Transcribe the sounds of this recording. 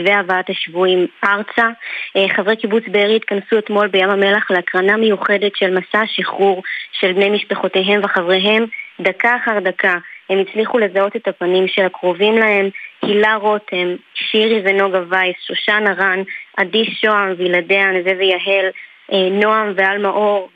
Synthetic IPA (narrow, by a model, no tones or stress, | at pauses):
veavaataʃvuimaʁt͡saχavʁejkibut͡sbeʁiit̪kansue̞t̪mo̞lbe̞jamame̞laχleakʁanamejuχe̞detʃelmasaʃiχuʁʃe̞lbne̞jmiʃpeχo̞te̞ɦe̞mveχavʁeɦe̞mdakaːχaʁd̪akʰahe̞mit͡sliχule̞zao̞te̞tapanimʃeakʁo̞vimlahe̞mkilaʁo̞themʃiʁiveno̞ɡavajsʃoʃanaʁanʔadiʃo̞amviladeanzevejaɦe̞l | eno̞amvealmaʔo̞ʁ